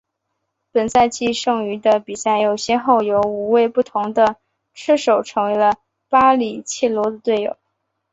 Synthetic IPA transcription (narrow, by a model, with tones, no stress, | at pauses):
pə˨˩nt͡sa˥˧ɪt͡ɕi˥˧ʂɤ˥˩ŋy˧˥d̪ə˧pi˨˩sa˥˩ɪjo˨˩ʊɕjɛ˥xo˥˩ʊjo˧˥ʊu˨˩we˥˧ɪpu˥˩t̪ʰʊ˧˥ŋd̪ə˧ | ʈ͡ʂʰɻ̩˥ʂo˨˩ʊʈ͡ʂʰɤ˧˥ŋwe˧˥ɪlə˧ | pa˥li˨˩t͡ɕʰi˥˩lwɔ˧˥d̪ə˧t̪we˥˩ɪjo̰˨˩˦